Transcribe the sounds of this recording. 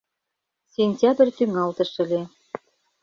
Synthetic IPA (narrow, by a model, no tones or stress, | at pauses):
sʲenʲtʲɑb̆rʲt̪yŋɑlt̪ə̆ʃə̆lʲe